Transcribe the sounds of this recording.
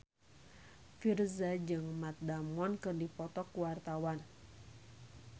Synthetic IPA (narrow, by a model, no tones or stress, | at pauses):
firzad͡ʒɨŋmat̪̚damɔnkɨrdipɔt̪ɔkːuwart̪awan